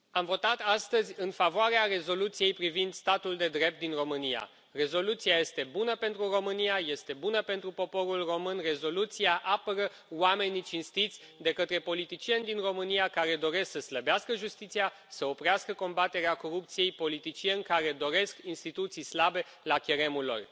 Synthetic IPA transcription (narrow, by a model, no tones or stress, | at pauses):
amvo̞t̪at̪ast̪əzʲɨnfavoaɾeare̞zo̞lut̪sije̞jpɾivind̪st̪at̪uld̪e̞d̪ɾe̞p̚t̪̚d̪inro̞mɨnija̰ | re̞zo̞lut̪siaje̞st̪e̞bunəpe̞nt̪ɾuro̞mɨnijaje̞st̪e̞bunəpe̞nt̪ɾupo̞po̞ɾulro̞mɨnre̞zo̞lut̪siaʔapəɾə | wame̞nit͡ʃinst̪it̪sʲ | d̪e̞kət̪ɾe̞po̞lit̪it͡ʃie̞nʲd̪inro̞mɨnijakaɾe̞d̪o̞ɾe̞sksəsləbeaskəʒust̪it̪sia | səo̞pɾeaskəko̞mbat̪e̞ɾeako̞ɾup̚t̪sije̞jpo̞lit̪it͡ʃie̞nʲkaɾe̞d̪o̞ɾe̞skinst̪it̪ut̪sijslabe̞ | lakʲeɾe̞mulo̞̰r